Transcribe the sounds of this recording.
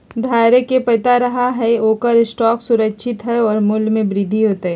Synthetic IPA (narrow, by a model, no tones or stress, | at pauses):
d̪ʱaːjɾekepɐt̪aɾɐɦaɦɛoːkəɾɪsʈɔːksʊɾəkʃʰɪt̪ɦɛɔːɾmʊljmẽbɾɪd̪ʱiɦoːt̪eɦɛː